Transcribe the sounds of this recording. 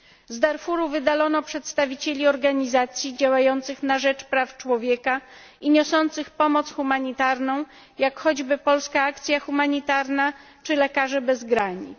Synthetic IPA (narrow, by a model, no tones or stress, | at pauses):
zd̪aɾfuɾuvɘd̪alɔnɔpʂɛt̪st̪avʲit͡ɕelʲiɔɾɡaɲizat̪sʲjid͡ʑawajɔnt̪sɘxnaʐɛt͡ʂpɾaft͡ʂwɔvʲjɛka | iɲɔsɔnt̪sɘxpɔmɔt̪sxumaɲit̪aɾnɔ̃w̃ | jakxɔd͡ʑbɘpɔlskaakt̪sʲjaxumaɲit̪aɾna | t͡ʂɘlɛkaʐɛbɛzɡɾaɲḭ